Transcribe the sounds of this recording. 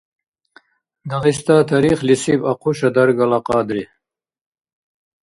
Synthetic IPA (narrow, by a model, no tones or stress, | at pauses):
d̪ɐʁist̪aːt̪ʰɐɾiːχlisibɐqʰuʃɐd̪ɐɾɡɐlɐqɑːd̪ɾi